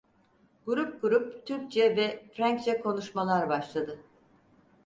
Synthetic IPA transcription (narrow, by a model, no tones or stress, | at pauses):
ɡuɾup̚ɡuɾup̚t̪ʰyɾk̚t͡ʃʰɛvɛfɾæɲct͡ʃʰɛkʰo̞nuʃmalˠaɾbaʃlˠad̪ɯ